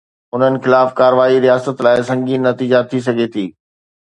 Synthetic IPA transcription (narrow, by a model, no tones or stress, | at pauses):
ʊn̤ənɪ̆xɪlaːfkaːɾʋaːiɾijaːsət̪laːɪsɐ̃ŋɡiːnːɐt̪iːd͡ʑat̪ʰis̬ɐɡʱet̪ʰiː